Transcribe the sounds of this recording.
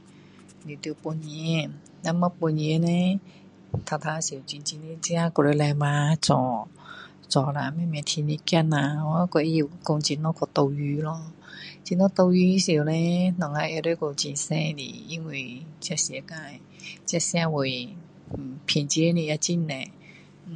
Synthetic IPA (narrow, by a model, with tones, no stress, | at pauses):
ni˨˩˨t̪ɨ˧˨po˧ɲi˧˨ | na˧˦ma˧˦po˧˨ɲi˧ə˦nɛ˧˦ | t̪ʰa˧˩t̪ʰa˧si˨wt͡ɕi˧nt͡ɕi˧˨ni˧˦t͡ɕi˧˦a˧˨kɔ˧˩ɾo˧˦lɛ˧ma˧t͡sɔː˨˩ | t͡sɔː˨˩la˨mɛ˧˨mɛ˧˨t̪ʰi˧ni˧˦ki˧˨nã˨˧wkɔ˧˩ʔko˧ŋt͡ɕi˧˨nɔ˧˦kʰɔ˧˩t̪o˧wjyː˧˦lɔ˧˦t͡ɕi˧nɔ˧˥t̪o˧wjy˧˦si˨˩ə˨wnɛ̃˧˦nɔ˨ŋa˧ʔɛ˧˨ɾo˧˦˨ko˧˩t͡ɕi˧˨nsɛ̃˧˨dḭ˧˨i˧˥˦ŋwe˧˨t͡ɕa˧˥si˨ə˦ka˧˨j | t͡ɕja˧˥˨sj̃ã˧˨wo˨j | pʰi˨nt͡ɕi˧˦ni˧ʔja˧t͡ɕi˧˥˨nnɛ̃˨˧˨